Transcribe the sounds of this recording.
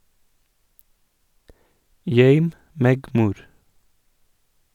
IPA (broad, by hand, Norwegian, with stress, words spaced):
ˈjœʏm ˈmeːɡ ˈmuːɾ